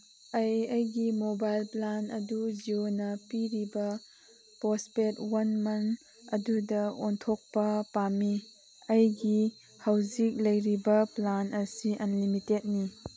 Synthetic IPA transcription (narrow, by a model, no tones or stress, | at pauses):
ɐjɐjɡimobajlplanɐdud͡ʒionɐpiɾibɐ | pɔspetwɐnmɐn | ɐdudɐontʰok̚pɐpami | ɐjɡi | hawzik̚lɐjɾibɐplanɐsiʔɐnlimitet̚ni